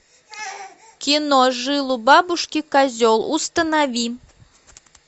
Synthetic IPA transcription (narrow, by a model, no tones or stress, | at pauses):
kʲinɔʐɨlˠubabuʂkʲikazʲɔlˠṵst̪ɐnavʲi